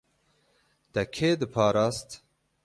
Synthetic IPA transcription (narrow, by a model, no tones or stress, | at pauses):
d̪̥ɛkʰeːd̪ɨpʰɑːɾɑːst̪